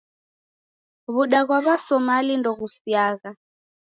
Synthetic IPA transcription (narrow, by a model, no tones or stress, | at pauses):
βuɗaɣwaβasɔmalindɔɣusiaːɣa